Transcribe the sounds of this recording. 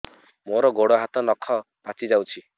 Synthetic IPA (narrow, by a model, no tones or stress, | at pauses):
moɾɔɡoɽɔɦat̪ɔnɔkʰːɔpat͡ʃid͡ʒawt͡ʃʰi